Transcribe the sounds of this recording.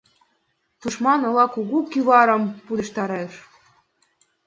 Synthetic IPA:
t̪uʃmɑnɤ̆lˠɑkuɣukyβɑɾɤ̆mpud̪ə̆ʃt̪ɑɾeʃ

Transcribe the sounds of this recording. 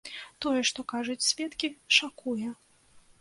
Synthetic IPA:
t̪ɔjɛʂt̪ɔkaʐut͡sʲsʲvʲɛt̪kʲiʂakujɛ

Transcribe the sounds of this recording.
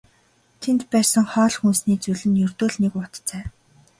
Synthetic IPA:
t̪ʰent̪pæːrsə̆ŋχɔːɮxunsniːt͡suɮɘ̆njɵrt̪oːɮnekʊt̪t͡sæː

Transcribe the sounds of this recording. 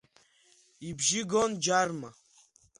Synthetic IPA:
ibʒiɡond͡ʒarma

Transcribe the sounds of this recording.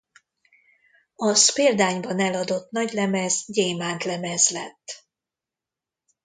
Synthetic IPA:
ɒspeːld̪aːɲbɒnɛlɒd̪o̞t̪nɒɟlɛmɛzɟeːmaːnt̪lɛmɛzlɛt̪ː

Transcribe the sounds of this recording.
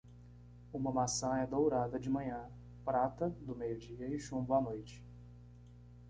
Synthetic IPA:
ũmɐmasɐ̃ɛd̪owɾad̪ɐd͡ʒɪmɐ̃ɲɐ̃ | pɾat̪ɐd̪ʊmejʊd͡ʒiɐɪʃũmbʊanojt͡ʃɪ̥

